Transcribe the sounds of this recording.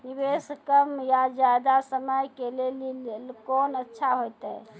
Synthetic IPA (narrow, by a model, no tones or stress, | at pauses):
nibeskəmjad͡ʒjad̪asəməjkelellkonətːʃʰaɦojt̪ɛ